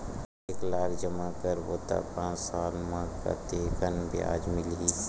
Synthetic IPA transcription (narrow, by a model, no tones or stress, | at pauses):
eːklaːɾd͡ʒəmakəɾboːt̪a̰pãːt͡ʃsaːlmãka̰t̪eːkənbʱḭa̰ːd͡ʒmɪli